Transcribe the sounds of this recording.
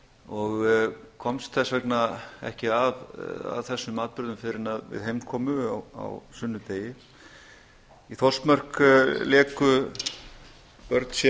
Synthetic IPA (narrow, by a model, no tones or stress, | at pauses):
ɔɣkʰɔmst̪θɛsvɛknaɛ̰hcɪava̰ðθɛsːʏmaːt̪̚pɾʏɾðʏmfɪɾɪnaðvɪ̰ðɦejmkʰɔːmʏa̰wa̰wsʏnːʏt̪eːjɪ | iθɔlt̪mar̥klɛːkʏ | pœɾt̪n̥sjɛ